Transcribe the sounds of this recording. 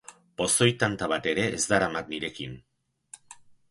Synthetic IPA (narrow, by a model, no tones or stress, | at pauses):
po̞so̞jt̪ant̪aβ̞at̪e̞ɾe̞ʔːzd̪aɾamak̪̚niɾe̞kin